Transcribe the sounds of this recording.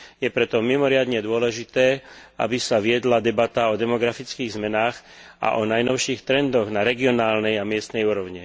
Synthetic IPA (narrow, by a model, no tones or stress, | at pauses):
jɛpɾɛt̪ɔmimɔɾɪad̪ɲɛd̪ʊɔlɛʒit̪ɛːa̰bisaʋɪɛd̪lad̪ɛbat̪aɔd̪ɛmɔɡɾafit͡skiːɣzmɛnaːx | ʔa̰ʔɔnajnɔʊʃiːxt̪ɾɛnd̪ɔɣnaɾɛɡiɔnaːlnɛjamɪɛst̪nɛjuːɾɔʊɲi